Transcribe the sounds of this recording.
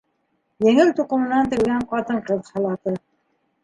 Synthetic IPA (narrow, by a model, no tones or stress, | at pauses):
jɘ̆ŋɘlt̪uqɤ̆mɤ̆nɑnt̪ɘ̆lɡæɴqɑt̪ɤɴqɤðhɑlˠɑt̪ɤ